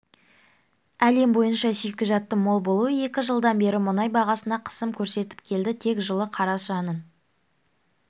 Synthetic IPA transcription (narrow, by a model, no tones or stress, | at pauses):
æle̞mbo̞jənʃɑsijkʲɪʒɑt̪ːəmo̞lˠbo̞lˠuəe̞kʲɪʒəlˠd̪ɑnbe̞ɾɪmʊnɑjbɑʁɑsənɑqʰə̥səmkʲʰɵɾse̞t̪ɪ̥p̚kʲʰe̞ld̪ɪt̪ʰe̞kʒəlˠəqʰɑɾɑsʒɑnən